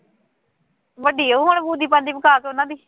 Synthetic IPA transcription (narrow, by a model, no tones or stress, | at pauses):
ʋəɖiːəuːɦoɳbuːd̪iːpə̃ːnd̪iːpəkaːkeʊnãːd̪iː